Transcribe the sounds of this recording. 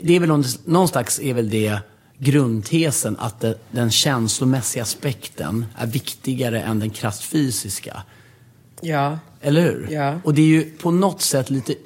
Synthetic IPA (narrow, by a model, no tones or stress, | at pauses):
d̪ɛːɾvɛlɔnnɔnst̪aksɛɾvɛld̪ɛ | ɡɾɵnd̪t̪ʰeːsəna̰t̪̚d̪ɛd̪ɛnɕɛnslʊmɛsːɪɡaspɛkt̪ʰə̰nʔæ̰ɾvɪkt̪ɪɡaɾəʔɛ̰nd̪ɛnkʰɾast̪fyːsɪska̰ | ɛlːəɾhʉ̟̰ːɾɔd̪ɛæɾjɵpʰɔnɔt̪ːsɛt̪ʰːliːt̪ə